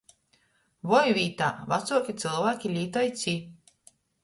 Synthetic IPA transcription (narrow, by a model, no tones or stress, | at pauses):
vɔjvʲiːt̪a̰ːvat̪suɔkʲit̪sɨlˠvæːkʲilʲiːt̪ajt̪sʲiː